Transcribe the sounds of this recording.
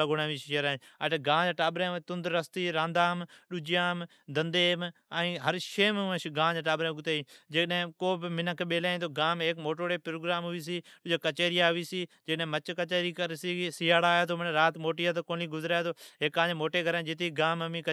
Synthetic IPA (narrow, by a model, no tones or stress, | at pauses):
aɡʊnãːʋiːʃʃəɾaːaʈːɡãːd͡ʒaʈaːbɾeːt̪ʊnd̪ɾːəst̪iːɾãːnd̪aːmɗʊd͡ʒjaːm | d̪ənd̪eːm | ə̃ɦəɾʃeːmʋə̃ʃɡãːd͡ʒʈaːbɾẽːɡʊt̪eːĩːd͡ʒekɗɦẽkoːbɪmɪnəkɓeːlaːĩt̪oːɡaːmeːkmoːʈoːɽeːpɾoːɡɾaːmɦʊʋiːs̬iːɗʊd͡ʒekət͡ʃeːɾɪjaːɦʊʋiːsiːd͡ʒekɗɦẽːmət͡ʃkət͡ʃeːɾiːkəɾsisɪːaːɽaːjaːt̪ʰoːmənːɾaːt̪moːʈijaːt̪̬oːkoːnliːɡʊzɾaːjt̪oːɦeːkːãːd͡ʒemoːʈeːɡʱəɾaːd͡ʒɪt̪̬iːɡaːməmĩːkə